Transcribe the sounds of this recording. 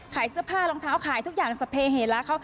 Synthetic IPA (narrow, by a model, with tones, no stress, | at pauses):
kʰaː˩˦jsɯ˦˥ɐpʰaː˥˩lo˧ŋt̪ʰaː˦˥wkʰaː˨˩˦jt̪u˦˥k̚jaː˨˩ŋsa˧pʰeː˧ɦeː˨˩˦laː˦˥kʰa˦˥w